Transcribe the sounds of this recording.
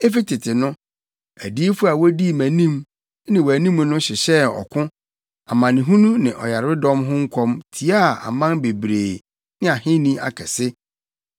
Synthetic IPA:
e˦fi˦tʰɪ˨tʰɪ˨nʊ̃˦ | æ˨di˦fʊ˦a˨wo˦di˦˨mæ̃˨nĩ˦m˦ | nɪ̃˨wæ˨nĩ˦m˦nʊ̃˦ɕɪ˨ɕɛ˦ɔ̰˨kʰʊ̃˦ | a˨mã˨nɪ̃˨ɦũ˦nũ˦nɪ̃˨ʔɔ˨ja˨ɾɪ˦dɔ̃˦mɦʊ̃˦ŋ̩˦kʷʰɔ̃˦mtʰi˨˦a˦˨a̰˨mã˦nbe˨bɾeː˨ | nɪ̃˦a˨hɪ̃˦nĩ˦a̰˨kʰɛ˨sɪ˦

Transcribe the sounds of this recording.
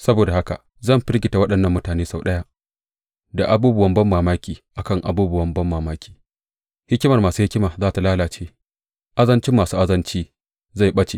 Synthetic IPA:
sɐ˦boː˨da˨ha˦ka̰˨ | zɐ˦˨mɸɪ˦rɡʲɪ˨ta˨wɐ˦ɗɐ˨nːɐ˦˨mːʊ˦taː˨neː˦sa˨wɗɐ˦ja˦ʔ | da˨ʔa˨buː˦bʊ˦wɐ˦mbɐ˦mːaː˨maː˦kʲiː˨ʔa˨kɐ˦˨ŋʔa̰˨buː˦bʊ˦wɐ˦mbɐ˦mːaː˨maː˦kʲiː˨ | hɪ˦kʲɪ˦mɐ˨rmaː˨suː˦hɪ˦kʲɪ˦maː˨zaː˦˨ta˨laː˦laː˨t͡ʃeː˦ | ʔa˦zɐ˦nt͡ʃɪ˦mːaː˨suː˦ʔa˦zɐ˦nt͡ʃiː˦ | za˦˨jɓɐ˦t͡ʃḛ˨

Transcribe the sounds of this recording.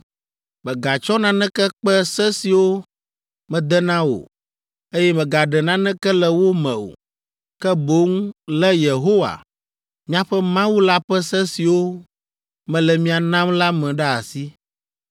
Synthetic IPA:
mɛ̃˨ɡa˨t͡ʃɔ˦nã˦nɛ̃˦kɛ˦k͡pɛ˦sɛ˦si˨wo˦ | mɛ̃˨d̪ɛ˦nã˦wo̰˨ | e˦jɛ˦mɛ̃˨ɡa˨ɖɛ˨nã˦nɛ̃˦kɛ˦lɛ˨wo˦mɛ̃˨o̰˨ | kɛ˦bo˦ŋ˦lɛ˦je˨ɦo˦wa̰˨ | mĩ˦ã˦ɸɛ˦mã˦wu˦la˦ɸɛ˦sɛ˦si˨wo˦ | mɛ̃˨lɛ˨mĩ˦a˨nã˦mla˦mɛ̃˨ɖa˦a˨si˦

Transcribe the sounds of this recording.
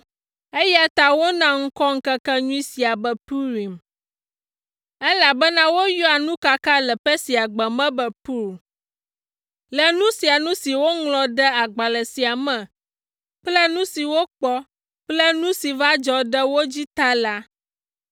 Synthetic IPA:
e˦ja˦t̪a˦wo˦nã˦ŋ̩˦kɔ˦ŋ̩˦kɛ˦kɛ˦ɲũ˦i˦si˨a˨bɛ˨pu˦ɾi˨m | ɛ˦la˨bɛ˦nã˦wo˦jɔ˦a˨nũ˦ka˦ka˦lɛ˨pɸɛ˦si˨a˨ɡ͡bɛ˨mɛ̃˦bɛ˨pu˦ɾ | lɛ˨nũ˦si˨a˨nũ˦si˨wo˦ŋlɔ̃˨ɖɛ˦a˨ɡ͡ba˨lɛ˨si˨a˨mɛ̃˨ | k͡plɛ˦nũ˦si˨wo˦k͡pɔ˦ | k͡plɛ˦nũ˦si˨va˦d͡ʒɔ˨ɖɛ˦wo˦d͡ʑi˦t̪a˦la˦

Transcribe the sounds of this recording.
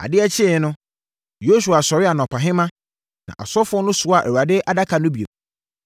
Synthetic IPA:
a̰˨dɪ˦ɛ˦t͡ɕʰɪ˦˨˦nʊ̃˦ | jo˦s̬u˨a˨sɔ˨ɾɪ˦a˨nɔ̃˨pʰa˨ɦɪ̃˦mã˦ | nã̰˨ʔa̰˨sɔ˦fʊ˦ɔ˦nʊ̃˦sʊ˨a˨ʔɛ˨wa˨dɪ˦ʔa˨da˦kʰa˨nʊ̃˦bi˨ḛ˨k

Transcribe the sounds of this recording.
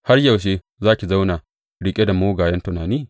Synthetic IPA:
ha˦rjɐ˨wʃ̬e˦ | zaː˦kʲi˨za˦wna˨ | ɽɪ˦kʲʼe˦da˨moː˦ɡaː˨jɐ˦ntʊ˨naː˨niː˦˨

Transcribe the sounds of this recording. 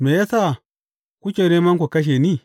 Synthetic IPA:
me˨ja˦sa˦˨ | ku˦t͡ʃe˨ne˦ma˦ŋ˦kʷo˨ka˦ʃ̬e˨ni˦

